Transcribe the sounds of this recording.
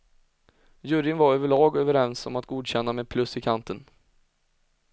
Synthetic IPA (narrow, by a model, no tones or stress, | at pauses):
jɵɾɪnvaɾøːvəɭɑːɡøːvəɾɛnsɔ̰mat̪̚ɡuːd̪ɕɛnːameːd̪̚pʰlɵsɪkʰant̪ən